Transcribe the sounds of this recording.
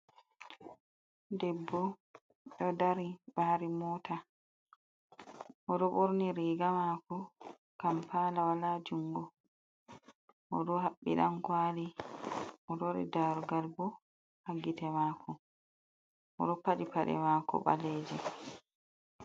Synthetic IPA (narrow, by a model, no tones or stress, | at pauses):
dɛbːɔ | ɗɔdaɾibaɾimɔːta | ʔɔɗɔɓoɾniɾiːɡamakɔ | kampaːlawalad͡ʒuŋɡɔ | mʔɔɗɔɦaɓːḭɗankwaːli | mɔɗɔɾḭdaɾɡalbɔ | haɡitɛmakʰɔ | ʔɔ̰ɗɔpːaɗipaɗɛ̰maːkɔ̰ɓa̰lɛːd͡ʒɛ